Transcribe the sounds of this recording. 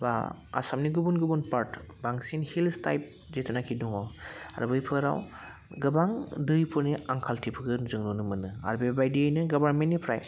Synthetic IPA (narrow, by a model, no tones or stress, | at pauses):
baa̰samniɡubunɡubunpaɾtbaŋsinhilsta̰jp̚ | zetʰanakʰiduŋawa̰ɾbɯjpʰɯɾa̰w | ɡɯbaŋdɯjpʰɯɾniaŋkʰaltʰipʰɯɡɯnzɯŋnɔnɯmɯnɯa̰ɾbebajdiɯjnɯɡɔbaɾmentːipʰɾaj